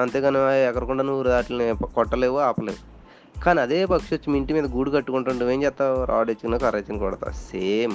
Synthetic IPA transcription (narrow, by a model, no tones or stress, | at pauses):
ɐnt̪eːɡɐneaɛkːɐɾɐkuɳɖaːnuːɾud̪aːʈilɐnikɔʈːɐleːʋoaːpɐleːʋu | kaːniɐd̪eːpɐkʂot͡ʃːimiɳʈimiːd̪ɐɡuːɽukɐʈːukuɳʈuɳʈuʋe̞ːmd͡ʒɛːpt̪ːaːɾʔa̰ːɖet͡ʃːkinokɐɾeːt͡ʃːɐnkɔːɽɐt̪a̰ːseːm